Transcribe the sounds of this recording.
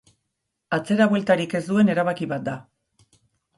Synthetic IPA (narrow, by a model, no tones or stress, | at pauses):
at͡se̞ɾaβwe̞lt̪aɾike̞zd̪ue̞ne̞ɾaβ̞akiβat̪̚d̪a